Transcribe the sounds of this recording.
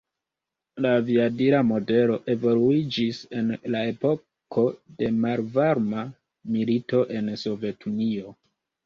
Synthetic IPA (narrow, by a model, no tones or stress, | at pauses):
laviadiɾamo̞de̞lo̞ʔe̞vo̞luid͡ʒise̞nlae̞po̞ | kʰo̞de̞malvaɾma | milito̞ʔe̞nso̞vje̞tʰunio̞